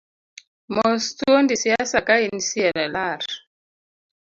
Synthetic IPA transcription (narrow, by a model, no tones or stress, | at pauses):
mɔstuondisiasakainisiɛnɛlaɾ